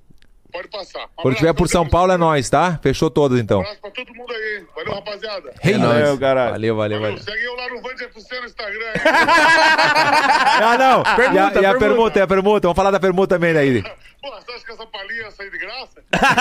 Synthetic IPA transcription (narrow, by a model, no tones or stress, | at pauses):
pɔd͡ʒpasakɐ̃nd̪ʊt͡ʃivɛɾpʊɾsɐ̃w̃pawlɛnɔjst̪afeʃot̪od̪ɐzẽnt̪ɐ̃w̃pɾɐt̪od̪mũd̪aivɔlmɐbaziad̪ɐhenɔjkaɾala̰lewvalewvalḛaiewlanʊvɐ̃d͡ʒepʊseĩst̪aɡɾɐ̃ | anɐ̃w̃kẽɐiɐpeɾmũt̪ɐɐp̬eɾmũt̪ɐvɐ̃w̃falaɾd̪ɐpeɾmũt̪ɐt̪ɐ̃mbẽj̃d̪ɐid̪ɪboɐsaʃkɛsɐ̃paliɐɐsaid̪ɪɡɾasɐ